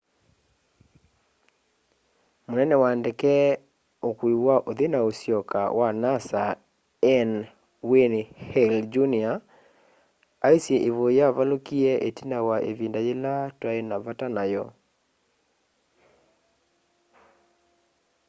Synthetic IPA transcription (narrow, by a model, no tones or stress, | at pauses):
monɛnɛwandekɛ | okwiwaʔoðenaosjɔka̰wanasa | ɛn | wenhɛld͡ʒunia | aisjɛʔeβojaβalokiɛʔetinawaʔeβindajelatwaenaβatanajɔ